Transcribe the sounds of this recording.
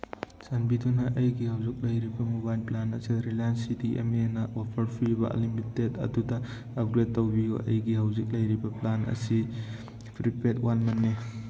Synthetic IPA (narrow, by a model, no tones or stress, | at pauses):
sanbidunɐʔɐjɡihawzik̚lɐjɾibɐmubajlplanɐ̰siɾilajnsidiʔḛmenɐwapʰɐɾpʰɾibɐ̰limitedɐ̰dudɐː | p̚ɡɾed̚tːowbiɡṵɐ̰jɡiɦawzik̚lɐjɾibɐplanʔɐ̰si | pʰɾipetwanmɐnːe